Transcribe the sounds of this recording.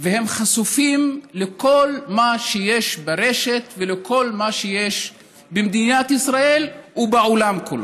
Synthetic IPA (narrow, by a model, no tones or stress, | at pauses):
vehe̞mχasufimleko̞lmaʃeje̞ʃbaʁe̞ʃe̞t̪velekʰo̞lmaʃeje̞ʃ | bemd̪inat̪isʁaelubeʕolamkulo̰